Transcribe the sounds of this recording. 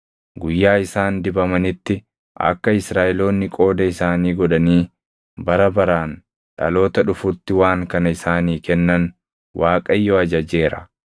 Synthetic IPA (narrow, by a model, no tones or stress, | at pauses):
ɡʊjːaːɪsaːnd̪ɪbɐmɐnɪt̪ːɪ | ʔɐ̰kːɐɪsɾaːʔɪlo̞ːnːɪkʼo̞ːd̪ɐɪsaːniːɡɔᶑɐniː | bɐɾɐbɐɾaːn | ᶑɐ̰lo̞ːt̪ɐᶑʊfʊt̪ːɪwaːŋkɐnɐɪsaːniːkɛnːɐn | wʔaːkʼɐjːoɐd͡ʒɐd͡ʒe̞ːɾɐ̰